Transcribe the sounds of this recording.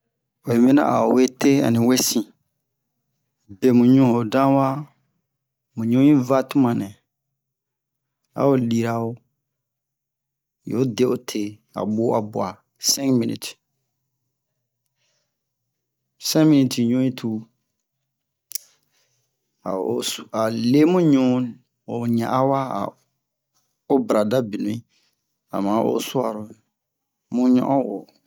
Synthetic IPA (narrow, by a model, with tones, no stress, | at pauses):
o˨i˨mẽ˦nã̰˦ʔa̰˨o˨we˦tʰe˦a̰˨nĩ˨we˦sĩ˨ | be˨mũ˨ɲũ˦ho˨dã˦wa˦ | mũ˨ɲũ˦jĩ˦va˦tũ˦mã˨nɛ̃˨ | a̰˨o˨li˨ɾa˨o˦ | jo˨˦de˦ʔo˦tʰe˨a̰˨ɓo˦a˨bu˨a˨ | sɛ̃˦ŋmĩ˦nḭ˨t | sɛ̃˦mi˦ni˨ti˨ɲo˦i˦tʰuː˦ | a˨a˨le˦mũ˦ɲõ˦n | ʊ˨ɲã˨ʔa˦wa˦a̰˨ | ʊ˦bɾa˨da˦bi˨nũ˨i˦ | a̰˨mãː˨˦ʔʊ̰˦sʊ˦a˨ɾʊ˨˦ | mʊ̃˦ɲɔ̰̃˦ʔɔ̃˦wo˨